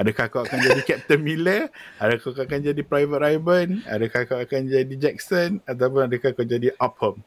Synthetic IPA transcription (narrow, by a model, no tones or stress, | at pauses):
adakahkawakand͡ʒadikɛt̪əmiləadakawkaakand͡ʒadipɾajvət̪̚ɾajbəna̰dakahkawakand͡ʒadid͡ʒɛk̚sənat̪̬awp̬ʊnadakakad͡ʒadiʔɔp̚hɔm